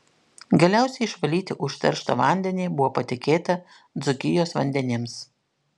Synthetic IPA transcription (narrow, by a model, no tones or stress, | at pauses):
ɡɐlʲæˑʊsʲɛɪɪʃʋɐlʲiːt̪ʲɪʔʊʃʲt̪ʲɐ̰ɾʃt̪ɐʋɑˑnʲd̪ʲɛnʲiːbʊʋoːpɐt̪ʲɪkʲeːt̪ɐ | d̪zʊkʲɪjoːsʋɐnʲd̪ʲɛnʲɪms